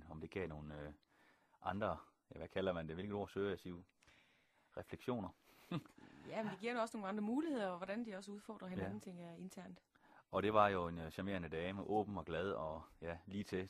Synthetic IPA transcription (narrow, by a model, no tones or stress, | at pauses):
ɒ̽md̥e̝ɡ̥ɛ̰ːno̝ːn̩ | ʔɑ̈nd̥ʁɐjæʋækʰælɐmænd̥eʋelɡ̥ð̩ˠo̝̰ɐsøːæsiʊ | ʁɛfleɡ̥ɕo̝̰ːnɐ | jæmend̥eɡ̥iɐ̥eɒ̽snoːnɑ̈nd̥ʁɐmuːlihe̝ð̞̰ˠɐɒʋɒdænd̥iɒ̽s̬əuð̞ˠfɒ̰ːd̥ʁɐɦenæn̩t͡sʰe̝ŋ̰e̝nt͡sʰæɐnd̥ | ɒ̽ɾ̥e̝ʋɑ̈jo̝e̝nɕæme̝̰ːɐnəd̥ɛːməʔɔ̰̽ːb̥n̩ɒ̽ɡ̥læð̞ˠɒ̽jæliːt͡sʰe̝